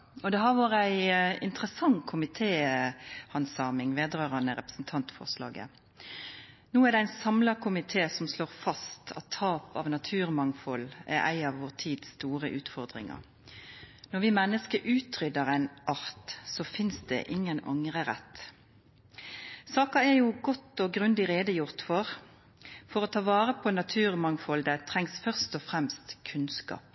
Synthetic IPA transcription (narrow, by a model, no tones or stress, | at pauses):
ɔd̪ɛɦɑʁʋoːɾəæɪɪnt̪ʁəsɑŋkʰʊmɪt̪ʰeː | hɑnsɑːmɪŋʋeːd̪ʁøːʁɑnəɾʁɛpəsn̩t̪ʰɑnt̪fɔ̰ʁslɑ̰ːɡə̰ | nuːæʁd̪ɛæɪnsɑmlɑkʰʊmɪt̪ʰeːsɔmsloːʁfɑst̪ʰɑ̰t̪ʰːɑːpɑːʋnɑt̪ʰʉːʁmɑŋfɔlæ̰ɾʔæ̰ɪɑʋʋoːʁt̪ʰiːd̪st̪uːʁəʔʉːt̪fɔʁd̪ʁɪ̰ŋə̰ʁ | nɔʁʋɪmɛnːəskəʔʉːt̪ʰʁʏd̪əʁæɪnʔɑʁt̪sɔfɪnsd̪ɛ̰ʔɪŋːənɑ̰ŋʁəʁɛ̰t̪ː | sɑːkɑɛʁjuɡɔt̪ːɔɡʁʉnd̪ɪʁeːd̪əjʊʁt̪fɔʁ | fɔɾɔt̪ʰɑːʋɑːɾəpʰɔnɑt̪ʰʉːʁmɑŋfɔld̪æt̪ʰʁɛŋsfœʁst̪ɔfʁɛmst̪kʰʉnskɑ̰ːp